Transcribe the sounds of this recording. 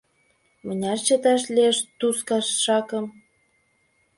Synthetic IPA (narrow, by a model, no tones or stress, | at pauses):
mənʲɑʃt͡ɕə̆t̪ɑʃlieʃt̪uskɑʃʃɑkə̆m